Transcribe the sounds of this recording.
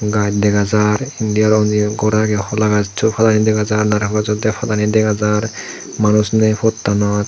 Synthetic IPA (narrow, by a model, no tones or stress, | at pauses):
ɡajtdɛɡazaɾindijaɾɔnziɡɔɾaɡɛxɔlaɡaztʰupʰatanidɛɡazaɹnaɾkʰɔkazɔdɛpʰatanidɛɡazaɾ | manusnepʰɔtːanɔt